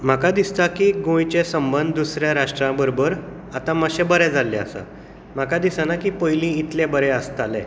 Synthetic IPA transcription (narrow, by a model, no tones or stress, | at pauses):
m̤akad̪ist̪akiːɡõjt͡ɕesəmbənd̪d̪usɾjãɾaʂʈɾãbəɾobəɾ | at̪ãməɕɛ̃bəɾɛd͡zalːɛə̰sa̰ | m̤akad̪isãnakiːpəjlĩit̪lɛbəɾɛəst̪alɛ̃